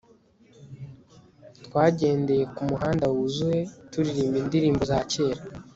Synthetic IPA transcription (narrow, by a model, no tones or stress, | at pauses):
twaːɟe̞ːnde̞je̞kumuɦaːndawuzuwe̞tuɾiɾiːmbindiɾiːmbo̞zaːce̞ːɾa